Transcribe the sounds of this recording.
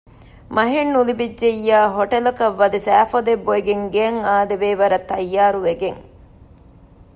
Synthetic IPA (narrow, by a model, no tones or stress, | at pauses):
mɐɦenːulibid͡ʒːeijːaːɦoʈɐlɐkɐʋːɐd̪isæːfɐd̪ebːoeɡeŋɡeɐŋaːd̪eʋeːʋɐɾɐt̪ːɐjːaːɾuʋeɡeŋ